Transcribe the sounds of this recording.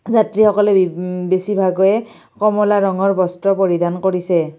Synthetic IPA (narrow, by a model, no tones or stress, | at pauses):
zatɹixɔkɔlɛbesibʱaɡɔjɛ | kɔmɔlaɹɔŋɔɹbɔstɹɔpoɹidankoɹisɛ